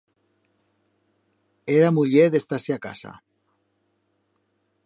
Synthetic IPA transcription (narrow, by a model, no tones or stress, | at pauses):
eɾamuʎeðest̪aseaka̰sa̰